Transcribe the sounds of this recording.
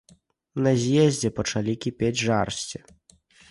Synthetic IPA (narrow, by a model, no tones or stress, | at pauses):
nɐzʲjɛzʲd͡zʲɛpɐt͡ʂalʲikʲipʲed͡zʲʐarsʲt͡sʲi